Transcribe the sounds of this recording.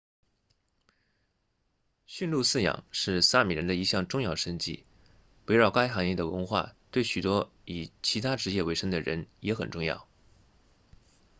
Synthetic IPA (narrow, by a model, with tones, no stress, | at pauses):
ɕy˥˧nlu˥˧sɹ̩˥˩jɑ̰˨˩˦ŋʂɻ̩˥˧sa˥˩mi˨˩ɻə̰˧˥nd̪ə˧i˧˥ɕjɑ˥˧ŋʈ͡ʂʊ˥˧ŋjɑ˥˩ʊʂə˥ŋt͡ɕḭ˥˩ | we˧˥ɪɻɑ˨˩ʊka˥ɪxɑ˧˥ŋjɛ˥˩d̪ə˩wə˧˥nxwa̰˥˩t̪we˥˩ɪɕy˨˩t̪wɔ˥ | i˨˩t͡ɕʰi˧˥t̪ʰa˥ʈ͡ʂɻ̩˧˥jɛ˥˩we˧˥ɪʂɤ˥ŋd̪ə˨ɻə̰˧˥njɛ˧˥xə˨˩nʈ͡ʂʊ˥˧ŋjɑ̰˥˩ʊ